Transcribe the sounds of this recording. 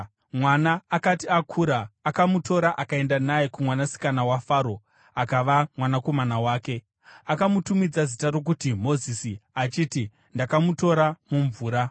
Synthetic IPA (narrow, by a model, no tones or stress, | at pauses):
mwanaːkatiakʰuːɾaːkamuto̞ɾaʔakae̞ndanajekumwanasi̥kanawafaːɾo̞ | akaʋamwanako̞manawaːke̞ | akamutumid͡zazitaɾo̞k̬utimo̞zisiat͡ʃiːti | ndakamuto̞ɾamuɱvuːɾa